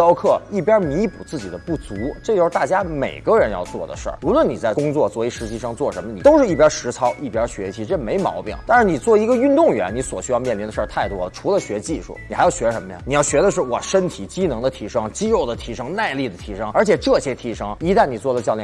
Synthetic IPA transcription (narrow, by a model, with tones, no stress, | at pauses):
ɑ˥ʊkʰɤ˥˩i˥˩pjɑ˥mi˧˥pṵ˨˩t͡sɹ̩˥˩t͡ɕḭ˨˩d̪ə˦pu˥˩t͡su˧˥ʈ͡ʂɤ˥˩t͡ɕjo˥˧ʂɻ̩˥˧˩t̪a˥˩t͡ɕja˥me˨˩ɪɡə˦ɻə˧˥njɑ̰˥˧ʊt͡swɔ̰˥˩d̪ə̰˩ʂə̰˞˥˩u˧˥lwə˧˥ni˨˩t͡sa˥˩ɪkʊ˥ŋt͡swɔ˥˧t͡swɔ˥˧˩we˧˥ɪʂɻ̩˧˥t͡ɕi˥˧ʂɑ˥˧ŋt͡swɔ˥˩ʂə˧˥mə˧˩i˨˩t̪o˥ʊʂɻ̩˥˧i˥˩p̬jɑ˥ʂɻ̩˧˥t͡sʰɑ˥ʊʔi˥˩pjɑ˥ɕɥɛ̰˧˥ɕʰi˧˥ʈ͡ʂɤ˥˩me˧˥ɪmɑ̰˧˥ʊpḭ˨˩ŋt̪a˥˧nʂɻ̩˥˧ni˨˩t͡swɔ˥˩i˧˥ɡə˧y˥˧nt̪ʊ˥˩ŋɥɛ˧˥nni˧˥swɔ̰˨˩ɕy˥jɑ˥˧ʊmjɛ˥˩nli˧˥nə˧ʂə˞˥˧t̪ʰa˥˩ɪt̪wɔ˥ə˨˩ʈ͡ʂʰu˧˥lə˧ɕɥɛ˧˥t͡ɕi˥˧ʂṵ˥˩ni˨˩xɪɑ˥˩ʊɕɥɛ˧˥ʂə˧˥mə˧ja̰ni˨˩jɑ˥˩ʊɕɥɛ˧˥d̪ə˧ʂɻ̩˥˩wɔ˨˩ʂə˥nt̪ʰi˨˩t͡ɕi˥nɤ˧˥ŋd̪ə˧t̪ʰi˧˥ʂɤ˥ŋt͡ɕi˥ɻo˥˩ʊd̪ə˨t̪ʰi˧˥ʂɤ˥ŋna˥˧ɪli˥˩d̪ə˩t̪ʰi˧˥ʂɤ˥ŋə˞˧˥t͡ɕʰjɛ˨˩ʈ͡ʂɤ˥˩ɕjɛ˥t̪ʰi˧˥ʂɤ˥ŋi˧˥t̪a˥˩nni˨˩t͡swɔ˥˩d̪ə˩t͡ɕjɑ˥˧ʊljɛ˥